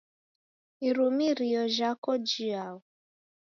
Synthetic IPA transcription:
iɾumiɾiɔʒakɔd͡ʒiaʊ

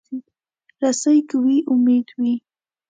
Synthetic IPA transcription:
i | ɾasajkawiʔʊmed̪wi

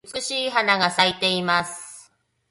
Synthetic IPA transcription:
t͡skɯ̟ɕiːɦanaɡasait̪e̞imasɨ̥

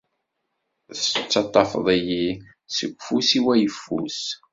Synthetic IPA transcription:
θt͡sːɑt̪ˤːɑfðˤiji | səɡʷfusiwæjəfːṵs

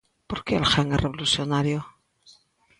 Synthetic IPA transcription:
po̞ɾkeːlxaŋerʔeβolusjonaɾjo

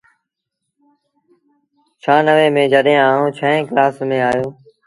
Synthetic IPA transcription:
t͡ʃʰaːnəʋeːmẽːd͡ʒəɗɦẽːaːɦũːt͡ʃʰəẽːklaːsmẽːaːjoː

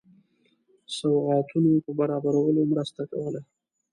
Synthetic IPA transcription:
sawɣɑt̪unopəbaɾɑbaɾawəlomɾəst̪akawəla

